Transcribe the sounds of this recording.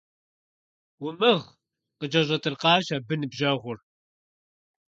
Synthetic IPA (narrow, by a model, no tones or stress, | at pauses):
wʊmɨʁ | qəd͡ʒɐʒʷɐt̪ʼərqɑːʃabɨnɨbʒɐʁʷʊr